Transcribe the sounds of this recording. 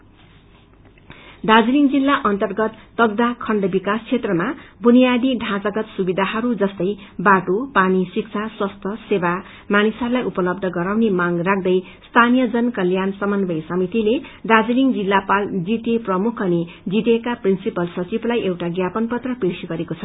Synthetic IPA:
d̪ad͡ziliŋd͡zilːaʔʌnt̪ʌrɡʌt̪ːʌɡ̚d̪akʰʌɳɖʌbikaskʰet̪rʌmabunijad̪iɖʱãt͡sʌɡʌt̪subid̪ʱaɦʌɾud͡zʌst̪ʌj | baʈopanisik̚t͡sʰaswʌst̪ʰʌseba | manisʌɾulajʔupʌlʌb̚d̪ʱʌɡʌɾawnemaŋrak̚ʰd̪ʌj | st̪ʰanijʌd͡zʌnkʌljansʌmʌnbʱʌjsʌmit̪iled̪ad͡ziliŋd͡zilːapald͡zit̪eprʌmukʰʌne | d͡zit̪ekaprinsipʌlsʌt͡siblajʔewʈaɡjapʌnpʌt̪rʌpirsiɡʌɾekot͡sʰʌ

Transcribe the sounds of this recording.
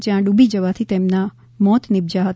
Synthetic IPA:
d͡ʒjãɖubid͡ʒəʋat̪ʰit̪emna | mɔt̪nɪb̚d͡ʒaɦət̪

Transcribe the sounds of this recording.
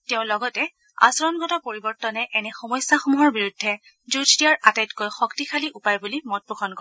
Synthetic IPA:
tɛʊ̃lɔɡɔtɛ | a̰sɔɹɔnɡʱɔtɔpoɹibɔɹtɔnɛʔɛnɛxɔmɔjsːaxumuɦɔɹbiɹudʱːɛ | zud͡ʒdijaɹatajtkojxɔktixʰaliʔupajbulimɔt̚bukʰɔnkɔ

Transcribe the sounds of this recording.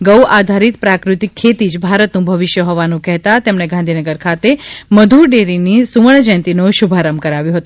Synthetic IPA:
ɡəwad̪ʱaɾit̪pɾakɾut̪ikʰːet̪id͡ʒbʱaɾət̪nũbʱəʋiʃjəɦɔʋanũkɛɦt̪at̪emɳeɡʱãnd̪ʱinəɡəɾkʰat̪eməd̪ʱuɾɖeɾinisuʋəɳd͡ʒɛ̃nt̪inoʃubʱaɾəmkəɾaʋjõɦət̪ũ

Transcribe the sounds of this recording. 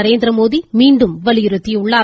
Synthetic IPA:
ɐɾeːnd̪ɪɾɐmoːðimiːɳɖɯmʋɐɭɪjɪɾɯt̪ːijʊɭːaː

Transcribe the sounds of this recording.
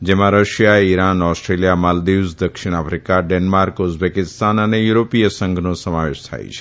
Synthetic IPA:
d͡ʒemãɾəʃjaiɾanɔsʈɾelijamald̪izd̪əkʃiɽ̃afɾikaɖenmaɾkʊzbekɪst̪anənejuɾopijəsə̃ŋɡʱnosəmaʋḛʃt̪ʰa̰jt͡ʃʰe̥

